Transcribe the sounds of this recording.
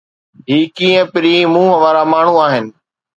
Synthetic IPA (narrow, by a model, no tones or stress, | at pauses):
ɦiːkiːə̃pɪɾiːmũːɦəʋaːɾamaːɳ̤uaːɦɪnɪ̆